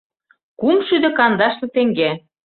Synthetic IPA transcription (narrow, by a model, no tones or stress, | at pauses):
kumʃyd̪ĕkɑnd̪ɑʃt̪ɤ̆t̪ĕŋɡe